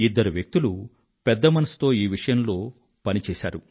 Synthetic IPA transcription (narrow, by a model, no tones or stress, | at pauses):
id̪ːɐɾuʋjek̚t̪ulu | pɛd̪ːɐmɐnɐsu̥t̪o̞ːiːʋiʂɐjɐmlo̞ː | pɐnit͡ʃɛːʃa̰ːɾu